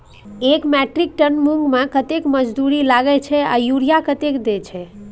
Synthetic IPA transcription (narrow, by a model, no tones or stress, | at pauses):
ekmɛʈɾik̚ʈənmuŋɡmãkət̪ekməd͡ʒd̪uɾilaɡɛt͡ʃʰɛa̰juɾijakət̪ekd̪et͡ʃʰɛ